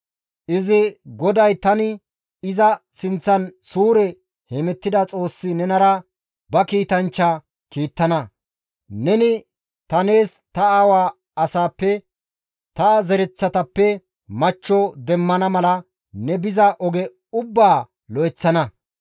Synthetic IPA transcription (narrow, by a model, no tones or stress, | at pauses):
ʔɪzɪɡɔd̪ɐjt̪ɐnɪ | ɪzɐsɪnt͡sːɐnsuːɾɛ | hɛmɛt̪ːɪd̪ɐt͡sʼo̞ːsːɪnɛnɐɾɐ | bɐkiːt̪ɐnt͡ʃːɐ | kiːt̪ːɐnɐ | nɛnɪ | t̪ɐne̞ːst̪ɐaːwaː | ɐsaːpːɛ | t̪ɐːzɛɾɛt͡sːɐt̪ɐpːɛ | mɐt͡ʃːɔd̪ɛmːɐnɐmɐlɐ | nɛbɪzɐʔɔɡɛ | ʊbːaː | lɔʔɛt͡sːɐnɐ